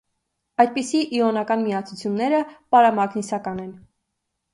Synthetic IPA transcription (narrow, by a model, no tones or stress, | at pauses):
ɑjd̪̚pisiʔːɔnɑkɑnmiɑt͡sʰut͡sʰjunːɛɾəpɑɾɑmɑɡnisɑkɑnɛn